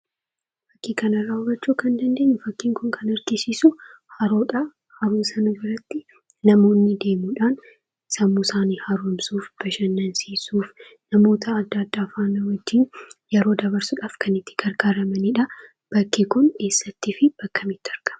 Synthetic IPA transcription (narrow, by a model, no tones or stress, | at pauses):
fɐkːiːkɐnɐrːaːʊbɐt͡ʃːuːkɐnd̪ɐnd̪e̞ːɲːʊfɐkːiːŋkʊŋkʰɐnɐɾɡɪsiːsʊ | hɐɾoːᶑɐ | hɐɾuːsɐnɐbɪɾɐt̪ːɪ | nɐmo̞ːnːɪd̪e̞ːmuːᶑaːn | sɐmːusaːniːhɐɾuːmsuːfb̥ɐʃɐnːɐnsiːsuːf | nɐmo̞ːt̪ʰɐːd̪ːɐːd̪ːaːfaːnːɐwɐd͡ʒːiːnjɛɾo̞ːd̪ɐβɐɾsʊᶑaːfkʰɐnɪt̪ːɪ̥ɡ̥ɐɾɡaːɾɐmɐniːᶑɐ | b̥ɐkːikʊnke̞ːsːɐt̪ːiːfɪb̥ɐkːɐmɪt̪ːɪɐɾɡ̥ɐ̥mɐ